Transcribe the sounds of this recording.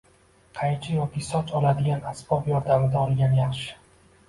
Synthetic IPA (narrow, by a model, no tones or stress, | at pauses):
qʰɑjt͡ʃʰɪjɒkʲisɒt͡ʃʰɒlad̪ɪɡʲanasbɒbjɒɾd̪amɪd̪aɒlˠɡʲanjɑχʃɪ̥